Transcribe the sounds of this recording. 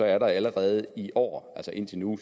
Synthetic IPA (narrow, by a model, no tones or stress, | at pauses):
ɒ̽æɐɾɑ̈æləʁɛːð̞̩ˠiʔɒ̰ːælsɒʔe̝n̰t͡sʰe̝nu